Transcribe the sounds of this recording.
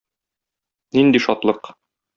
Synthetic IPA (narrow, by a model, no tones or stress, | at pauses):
nind̪iʃɒt̪lˠɤq